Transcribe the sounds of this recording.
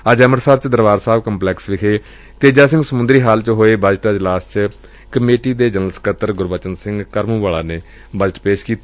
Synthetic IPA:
əd͡ʒɛːməɾsaːɾt͡ʃd̪əɾʋaːɾsaːbkəmplɛːksʋɪkʰeː | t̪eːd͡ʒaːsɪ̃ŋɡsəmʊ̃nd̪ɾiːɦaːlt͡ʃɦoːeːbəd͡ʒʈaːd͡ʒlaːst͡ʃ | kəmeːʈiːd̪eːd͡ʒənəlskət̪əɾɡʊɾbət͡ʃənsɪ̃ŋɡkəɾmũːʋaːɭaːneː | bəd͡ʒəʈpeːʃkiːt̪ː

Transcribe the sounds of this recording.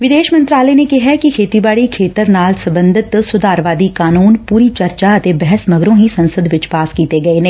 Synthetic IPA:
ʋɪd̪eːʃmə̃nt̪ɾaːlənekɪɦɛkikʰeːt̪ibaːɽikʰeːt̪əɾnaːlsɐ̃mbə̃nd̪ʱɪt̪sʊd̪aːɾʋaːd̪ikaːnuːnpuːɾit͡ʃɐɾt͡ʃaɐt̪ebɛɦɛsmɐɡɾõɦisɐ̃nsəd̪ʋɪt͡ʃpaːskiːt̪eɡɐenẽː

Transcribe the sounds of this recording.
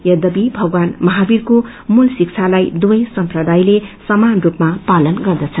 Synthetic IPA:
jʌd̪ʌbibʱʌɡwanmʌɦabirko | mulsik̚t͡sʰalajd̪uʌjsʌmprʌd̪ajlesʌmanrupmapalʌnɡʌrd̪ʌt͡sʰʌn

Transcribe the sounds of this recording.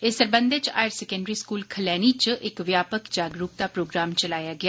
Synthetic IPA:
esəɾbə̃nd̪ɪt͡ʃa̰ːjəɾsɛːkə̃ɳɖɾiːskuːlkʰəlɛːniːt͡ʃʔɪkʋjaːpəkd͡ʒaːɡɾuːp̚d̪aːpɾoːɡɾaːmt͡ʃəlaːjaːɡɪaː

